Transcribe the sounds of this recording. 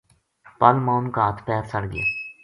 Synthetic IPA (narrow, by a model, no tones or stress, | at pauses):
pəlmaːunkaːt̪pɛːɾsəɽɡɪḛː